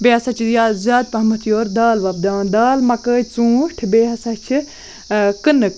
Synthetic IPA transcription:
beːɐsɐt͡ʃʰjaːzʲjaːd̪̚pɐɦmɐt̪ʰjoːɾd̪aːlʋɐb̚d̪aːnd̪aːlmɐkəːt͡sũːʈʰbeːɦɐsɐt͡ʃʰi | kɨnɨk

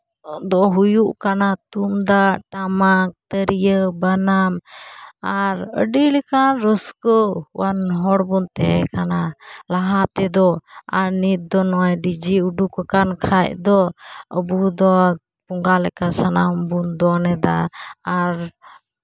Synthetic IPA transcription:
d̪ɔɦujuʔkanat̪umd̪aʔʈamak̚t̪əɾijəbanam | aɾə̰ɖilɛkanɾəskɔwanɦɔɽbunt̪ɛɛkanalaɦat̪ɛd̪ɔa̰ɾnit̪̚d̪ɔnɔaɖid͡ʒiuɖukɔkankʰacd̪ɔəbud̪ɔ | puŋɡalɛkasanambund̪ɔnɛd̪a̰aɾ

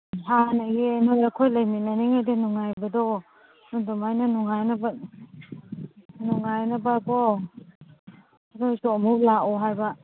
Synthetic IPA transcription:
hanaɡenojɐkʰojlajminaniŋajdenuŋajbɐdɔ | nɔndɔmajnanuŋajnaba | nuŋajnabakɔ | ɾʰojsɔmulaʔɔɦajbɐ

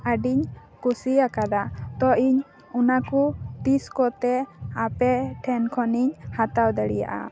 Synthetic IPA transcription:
aɖiɲ | kusiakad̪at̪ɔʔiɲ | unakut̪iskɔt̪ɛapɛʈʰɛnkʰɔniɲhat̪awd̪əɽḭja̰ʔa̰

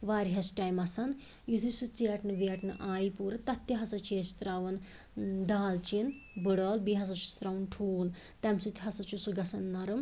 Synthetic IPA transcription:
ʋaːɾiɦɐsʈaːjmɐsɐn | jut̪ʰisɨt͡seʈnɨʋeːʈnɨʔaːjipuːɾɨt̪ɐt̪ːiɦɐsɐt͡ʃʰeːst̪ɾɐʋɐn | d̪aːlt͡ʃin | bɨɽoːlbiɦɐs̬ɐt͡ʃʰu̥st̪ɾɐʋnʈʰuːl | t̪ɐmsut̪ʰʲɦɐsɐt͡ʃusuɡɐsɐnːɐɾɨm

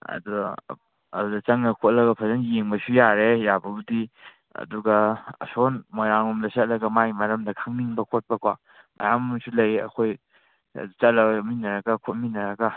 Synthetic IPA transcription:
ɐ̰duɡː | dudɐt͡ʃɐŋnɐkʰot̚lɐɡɐpʰɐzɐnjeŋbɐsujaɾejabɐbudi | ɐ̰duɡɐɐ̰sonmojɾaŋumdɐsɐt̚lɐɡɐmajmɐɾɐmdɐkʰaŋniŋbɐkʰot̚pɐkʰwa | mɐ̰jamsulɐjɐ̰kʰoj̰ | t͡ʃɐt̚lɐminɐɾɐɡɐkʰot̚minɐɾɐɡa

